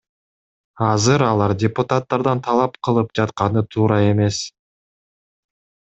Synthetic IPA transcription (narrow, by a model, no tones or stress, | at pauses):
ɑzɯɾɑlˠɑɾdʲɪpʊt̪at̪ːɑɾd̪ɑnt̪ʰɑlˠɑpqʰɯlˠɯp̚d͡ʒɑt̪qɑnɯt̪ʰuːɾɑe̞me̞s